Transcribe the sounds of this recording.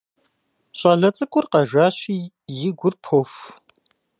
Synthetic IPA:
ɕʼaːɮɐt͡sʼɨkʷʼʊrqɐʒʷaːɕiː | jɪɡʷʊrpʰofʷ

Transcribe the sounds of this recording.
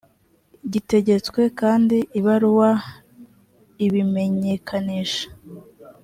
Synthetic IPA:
ɟite̞ɟe̞t͡skwe̞kaːndiʔiβaɾuwa | iβime̞ɲe̞kʰaniːʃḁ

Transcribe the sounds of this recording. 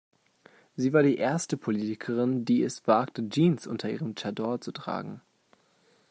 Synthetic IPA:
ziːvaːɐdiːʔeːɐstəpʰoliːtɪkʰəʁ̞ɪndiːɛsv̥aːktəd͡ʒiːnsʔʊ̰ntʰɐʔḭːʁəmt͡ʃadɔɐt͡sutʁ̥a̰ːɡŋ̩

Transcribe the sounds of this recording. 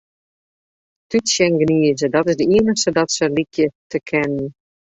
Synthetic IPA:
tytsjɛŋɡəniəzədɔtɪzdəiənəxstədɔtsəlikʰjətʰəkʰɛnən

